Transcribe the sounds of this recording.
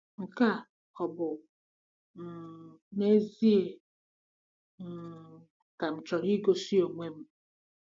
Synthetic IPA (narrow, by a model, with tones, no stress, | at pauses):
ŋ̩˨ka˦ | ɔ˨bʊ˨ | ne˦zi˦e˨ | ka˨m̩˨t͡ʃɔ˨ɾi˦ɡo˦si˦o˨ŋʷe˦m̩˦